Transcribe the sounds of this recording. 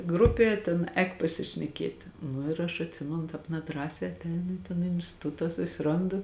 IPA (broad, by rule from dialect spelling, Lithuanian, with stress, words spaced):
ˈɡrʊpʲeː tʲeːn ˈɛːk pɐsʲɪʃʲnʲɛˈkʲiɛtʲɪ ˈnʊ ɪr ɐʃ ɐtʲˈsʲɪmʲɛnʊ ˈtɑːp nʲɛˈdrɑːsʲɛː ɐtʲˈɛɪnʊ ɪ toːn ɪnʲsʲtʲɪˈtʊtɐ sʊsʲɪˈroːndʊ